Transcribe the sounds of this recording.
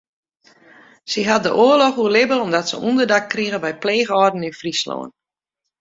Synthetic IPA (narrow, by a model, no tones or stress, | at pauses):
siɦat̚dəʔoəlɔxuəlɪbəlˠɔmdɔtsə̰ʔundərdakkriɣəʋɛjpleːɣɔdn̩infrislo̰ːən